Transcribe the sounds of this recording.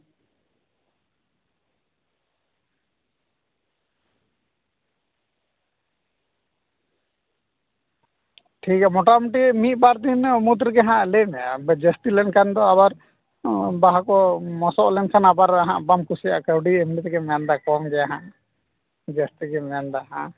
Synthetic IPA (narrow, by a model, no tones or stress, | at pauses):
ʈʰikamɔʈamiʈimit̪̚ˀbaɾt̪inmut̪ɾɡɛɦãʔlɛnbd͡ʒəst̪ilɛnkʰand̪ɔaβaɾ | baɦakɔmɔsɔʔlɛnkʰanabaɾaɦã̰ʔbamkusija̰ʔkəwɖiɛmnit̪ɛkɛmɛnd̪akɔmɡɛjaɦã̰ʔ | d͡ʒəst̪iɡɛmɛnd̪aɦã̰